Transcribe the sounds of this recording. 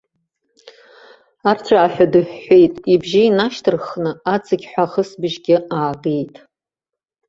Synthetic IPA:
art͡sʷʰaːħʷᶣadɨħʷːe̞jtʼibʒiinaʃtʰɨrχnɨat͡sʼɨɡʲħʷaχəsbɨʒɡʲɪaːɡejtʼ

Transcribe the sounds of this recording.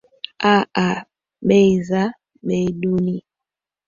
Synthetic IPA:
aa | ɓeiza | ɓeduni

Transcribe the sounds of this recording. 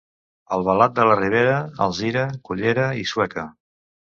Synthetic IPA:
əlˠβəlat̪̚d̪ələriβ̞eɾəə̰lˠziɾəkuʎeɾəiswɛkə

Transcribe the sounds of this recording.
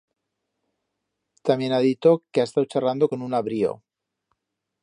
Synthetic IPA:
t̪amje̞naðit̪o̞keaest̪awt͡ʃarand̪o̞ko̞nunaβɾio̰

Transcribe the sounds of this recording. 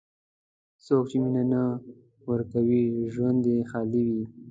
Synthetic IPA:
sok̚t͡ʃeminana | wəɾkawiʒwand̪exɑliwi

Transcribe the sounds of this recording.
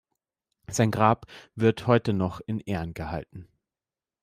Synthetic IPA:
z̥aɪnɡʁaːpvɪɐthɔʏtənɔχɪnʔeːɐnɡəha̰ltn̩

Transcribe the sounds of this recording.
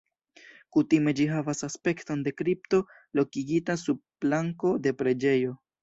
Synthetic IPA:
kutime̞d͡ʒiɦavasaspe̞kto̞nde̞kɾip̚to̞ | lo̞kiɡitasuplaŋko̞de̞pɾe̞d͡ʒe̞jo̞

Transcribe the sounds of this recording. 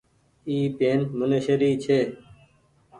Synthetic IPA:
iːpeːnmʊneʃəɾiːt͡ʃʰeː

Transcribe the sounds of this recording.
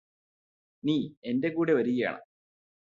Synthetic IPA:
niːe̞nde̞kuːɽeʋɐɾiɣɐja̰ːɳɐ̰

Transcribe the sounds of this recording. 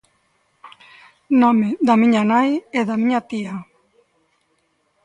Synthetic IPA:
nomed̪amiɲanajeðamiɲat̪ia

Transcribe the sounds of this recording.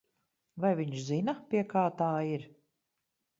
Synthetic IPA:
vajviɲʃzinapʲiɛkaːt̪aːiɾ

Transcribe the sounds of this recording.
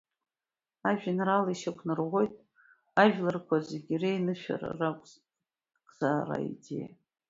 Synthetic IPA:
aʒᶣanraliʃakʷʰnɨrʁʷo̞jtʼ | aʒᶣlɨrkʷʰazeɡʲirejnɨʃᶣa̰ra̰rakʷʼ | ɡʼz̥aːra̰ḭdḛj

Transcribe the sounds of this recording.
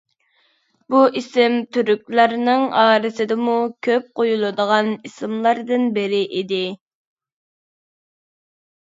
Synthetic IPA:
buʔisɪmt̪ʰyɾykʲlæɾnɪŋɑːɾɨsɨd̪ɪmukʲʰøp̚qʰojulˠɨd̪əʁɑnisɪmlˠɑɾd̪ɨnbɪɾɪʔid̪ɪ

